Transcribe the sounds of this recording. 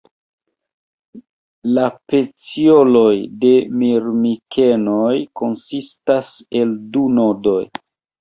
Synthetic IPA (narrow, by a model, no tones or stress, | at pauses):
lape̞t͡sio̞lo̞jde̞miɾmikʰe̞nojko̞nsistase̞ldunodo̞j